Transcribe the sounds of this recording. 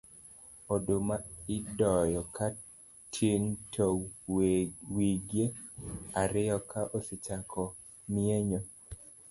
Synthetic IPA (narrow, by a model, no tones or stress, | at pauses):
odomaɪdɔjɔkʰa | tʰintʰɔ | wiɡjeaɾɪjɔkaʔosɪt͡ʃakʰɔ | mieɲo